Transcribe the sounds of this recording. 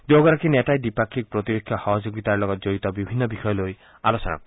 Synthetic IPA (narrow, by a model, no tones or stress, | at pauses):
d̪oɡɔɾakineʈaedipakʰːik̚pɾɔt̪ipekʰjɔhɔɦɔd͡ʒoɡit̪aɾlɔɡɔt̪d͡ʒojt̪ɔbibʱinːɔbixʰɔjɔloj | a̰losɔna̰